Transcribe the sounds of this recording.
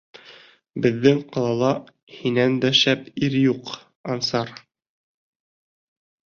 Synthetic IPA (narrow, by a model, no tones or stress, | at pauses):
bɘ̆ðːɘŋqɑlˠɑlˠɑ | hinænd̪æʃæpiɾjuq | ɑmsɑɾ